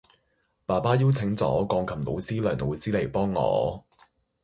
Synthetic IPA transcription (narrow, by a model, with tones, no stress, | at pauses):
paː˨˩paː˥jiː˥wt͡sʰɪ˨˥ŋt͡sɔ̰ː˨˥kɔː˧ŋkʰɐ˨˩mno̰˨˧wsiː˥lœː˨˩ŋno˨˧wsiː˥le˨˩jpɔː˥ŋːɔ̰ː˨˧˦